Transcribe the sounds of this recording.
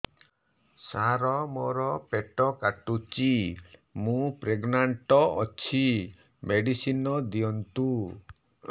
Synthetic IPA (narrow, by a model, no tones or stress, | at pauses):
saɾɔmoɾɔpeʈɔkaʈut͡ʃimũpɾeɡnaɳʈɔɔt͡ʃʰi | meɖisinɔd̪iɔnt̪u